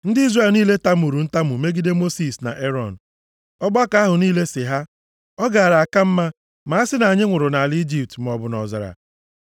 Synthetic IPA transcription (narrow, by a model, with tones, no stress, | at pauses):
n̩˦di˦zre˦˨lniː˦le˦ta˦mu˨ɾu˨n̩˦ta˦mu˨me˦ɡi˦de˦mo˦si˨sna̰˨ʔe˦ɾɔ˦˨n̩˨ | ɔ˦ɡ͡ba˦ka˨a˦ɦʊ˨niː˦le˦sɪ˨ɦa˦ | ɔ˦ɡa˨a˨ɾa˨a˨ka˦m̩˦ma˦ | ma˨a˦sɪ˦na˨a˨ɲɪ˦ŋʷʊ˨ɾʊ˨na˨ld͡ʒi˨p̚tm˨ɔ˨bʊ˨nɔ˨za̰˨ɾa̰˨